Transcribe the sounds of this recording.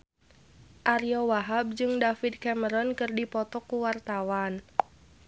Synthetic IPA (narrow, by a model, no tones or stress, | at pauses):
ʔaɾiɔwaɦab̚d͡ʒɨŋdafid̪̚kaməɾɔnkɨrdipɔt̪ɔkuwart̪awan